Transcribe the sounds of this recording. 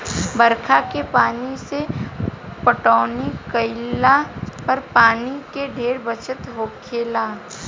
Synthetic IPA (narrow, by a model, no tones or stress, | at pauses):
bəɾkʰakepaːnise | pəʈɔːnikəɪllapɐɾpaːnikeɖʱeːɾbət͡ʃət̪ɦoːkʰeːlaː